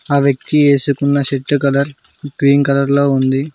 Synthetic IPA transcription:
aːʋjɐk̚t̪ieːsukunːɐʃeʈːukɐlɐɾ | kɾiːnkɐlɐɾlo̞ːund̪i

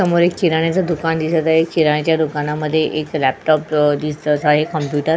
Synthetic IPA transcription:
əmoɾekːiɾaɽ̃jat͡sad̪ukand̪isət̪aɦekiɾaɽ̃jat͡ɕjad̪ukanaməd̪ʱːjeʔeklæp̚ʈɔp̚d̪ist̪əsaɦekəmpjuʈəɾ

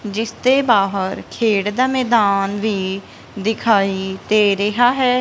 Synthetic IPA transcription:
d͡ʒɪst̪ebaːɦəɾkʰeːɽd̪amɛːd̪aːnbʱi | d̪ɪkʰaːit̪eɾɐɦaɦɛː

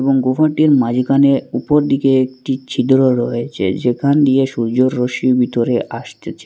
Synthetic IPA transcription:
eboŋɡofaʈiɾmad͡ʑʱɡaneupoɾd̪ikeek̚ʈit͡ɕʰid̪ɾoɾɔet͡ɕʰḛd͡ʑekʰand̪ieʃuɾd͡ʑoɾːoʃibit̪oɾeʔaʃt̪et͡ɕʰ

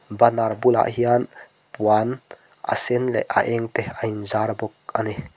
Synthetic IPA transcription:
banarbula̰ʔɦian | puan | ʔa̰sɛnlɛ̰ʔa̰ʔɛŋt̪eainzarbɔk̚ani

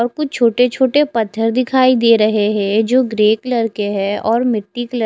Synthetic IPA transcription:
ɔɾkʊt͡ʃt͡ʃʰoːʈet͡ʃʰoːʈepɐt̪ʰːəɾd̪ɪkʰaːid̪eːɾɐɦeɦɛ̃d͡ʒoːɡɾeːklɐɾkeɦɛ̃ɔːɾmɪʈːiklə

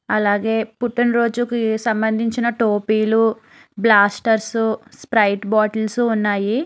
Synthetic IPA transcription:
ɐlaːɡe̞ːpuʈinɾo̞ːd͡ʒukisɐmbɐnd̪ʱiɲt͡ʃinɐʈoːpiːlu | blaːsʈɐɾsuspɾɐjʈbaːʈɐlsuːnːaːji

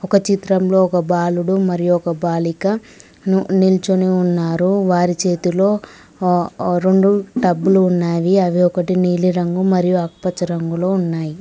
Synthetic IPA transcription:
ɔkɐt͡ʃit̪ɾɐmlo̞ːɔkɐbaːluɽumɐɾijuɔkɐbaːlikɐ | nunilt͡ʃuniunːaːɾuʋaːɾit͡ʃe̞ːt̪ilo̞ː | ɾe̞ɳɖuʈɐbːuluːnːaːʋiɐʋiɔkɐʈiniːliɾɐŋɡumɐɾijuɐk̚pɐt͡ʃɐɾɐŋɡulo̞ːunːaːji

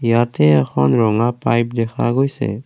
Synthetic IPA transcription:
jaːt̪eəkʰɔnɾɔŋaːpaːjp̚d̪ekʰa̰ɡoːjsḛ

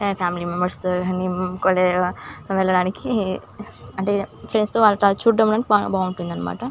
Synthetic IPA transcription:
pʰaːmilimembɐɾsonikɔleʋɛlːɐɽaːniki | ɐɳʈefʰɾenɖst̪oːʋaːlːɐʈat͡ʃuɖːɐmɽɐnabaːʋuɳʈːund̪ɐnːɐma̰ːʈɐ

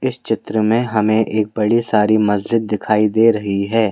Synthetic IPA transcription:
ɪst͡ʃɪt̪ɾəmẽɦɐmẽʔeːk̚bɐɽisaːɾimɐzd͡ʒɪd̪̚ːɪkʰaːid̪eːɾɐɦiɦɛː

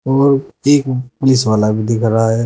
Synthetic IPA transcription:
ɔːɾeːkpʊlɪsʋaːlabʱid̪ɪkʰɾaɦaɦɛ

